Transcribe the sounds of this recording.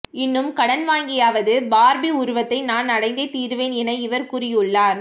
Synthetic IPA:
ɪnːɯmkɐɽɐnʋaːŋɡɪjaːʋɐðɯbaːɾbɪʊɾʊʋɐt̪ːɐɪnaːnnɐɽɐɪnd̪ɐɪt̪ːiːɾʋeːnɛnɐɪʋɐɾkʊrɪjɯɭːaːɾ

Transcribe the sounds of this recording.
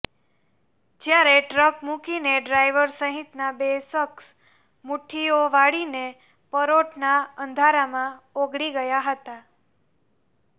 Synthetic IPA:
d͡ʒjaɾeʈɾəkmũkineɖɾajʋəɾsəɦit̪nabesəks | muʈʰioʋaɽine | pəɾoʈʰnaənd̪ʱaɾamãoɡɽiɡəjaɦət̪a

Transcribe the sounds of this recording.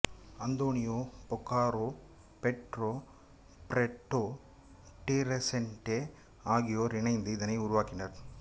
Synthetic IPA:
ɐnd̪oːnɪjoːpɔkːaːɾoː | pɛʈɾoː | pɾɛʈːoː | ʈiɾesɛɳʈe | aːɣɪjoːɾɪɳɐɪnd̪ɯɪðɐnɐɪʊɾʊʋaːkɪnɐɾ

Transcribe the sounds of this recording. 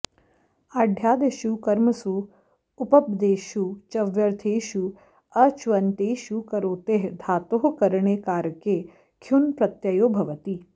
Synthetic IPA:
ɐɖʱjaːd̪eʃukɐɾməsu | ʊpɐp̚d̪eːʃut͡ʃɐʋjɐɾt̪ʰeːʃu | ɐt͡ʃʋɐnt̪eːʃukɐɾoːt̪eɦd̪ʱaːt̪oɦkɐɾɳ̃eːkaːɾəke | kʰjunpɾɐt̪jɐjoːbʱɐʋət̪iː

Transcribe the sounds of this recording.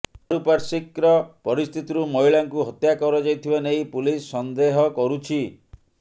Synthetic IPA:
ɾupaɾsikɾɔpɔɾist̪ʰit̪iɾumɔiɭaŋkuɦɔt̪jakɔɾɔd͡ʒajt̪ʰibanejpulisːɔnd̪eɦɔkɔɾut͡ʃʰi

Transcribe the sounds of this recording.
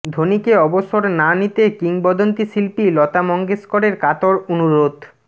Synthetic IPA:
d̪ʱonikeɔboʃoɾnanit̪ekiŋbɔd̪ont̪isilpilɔt̪amɔŋɡeskoɾeɾkat̪oɾonuɾod̪

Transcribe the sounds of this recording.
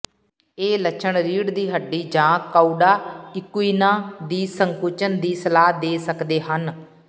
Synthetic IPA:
eːlət͡ʃʰəɳɾiːɽd̪iːɦəɖːiːd͡ʒãːkaːuɖaːɪkʊiːnãːd̪iːsəŋkuːt͡ʃənd̪iːsəlaːɦd̪eːsəkd̪eːɦən

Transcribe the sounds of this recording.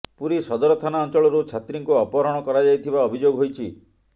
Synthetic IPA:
puɾisɔd̪ɔɾɔt̪ʰanaɔnt͡ʃɔɭɔɾut͡ʃʰat̪ɾiŋkuɔpɔɾɔɽ̃ɔkɔɾad͡ʒajt̪ʰibaɔbʱid͡ʒoɡɦojt͡ʃʰi

